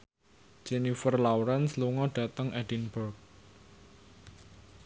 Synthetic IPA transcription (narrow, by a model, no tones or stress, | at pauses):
d͡ʒ̥ɛnifərlawɾɛnsluŋɔɖ̥a̤t̪əŋɛd̥inbərk̚